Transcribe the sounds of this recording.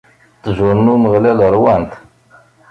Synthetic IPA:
t̪zʊɾnuməʁlæləɾˤwænt̪

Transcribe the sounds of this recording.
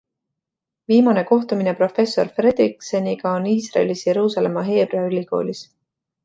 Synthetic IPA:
viːmɑne̞ko̞ht̪umine̞pro̞fe̞sːo̞̰rfre̞d̪riksenʲiɡ̥ɑoniːsrɑ̰elisje̞ɾuːsɑle̞mɑɦe̞ːb̥reɑylʲiko̞̰ːlʲis

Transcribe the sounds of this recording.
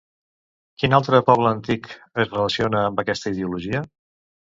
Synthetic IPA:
kinalˠt̪ɾəpɔβ̞ləːnt̪ik | əzrələsionəːmbəkɛst̪əið̞iuluʒiə

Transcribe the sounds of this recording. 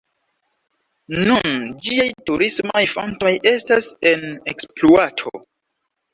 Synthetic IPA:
nund͡ʒiajtuɾismojfo̰nto̞je̞stase̞nekspluatʰo̰

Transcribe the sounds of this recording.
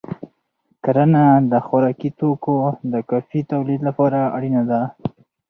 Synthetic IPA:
kaɾanad̪əxwaɾɑkit̪okod̪əkɑfit̪awlid̪lapɑɾaaɽinad̪a

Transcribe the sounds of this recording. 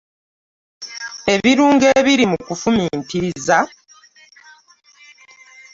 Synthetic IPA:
e̞βiɾuːŋɡe̞ːβiɾimukufumiːntiza

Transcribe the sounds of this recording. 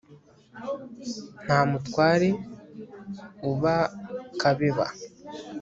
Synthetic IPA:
n̥haːmutkwaːɾe̞ | uβakaβeβa̰

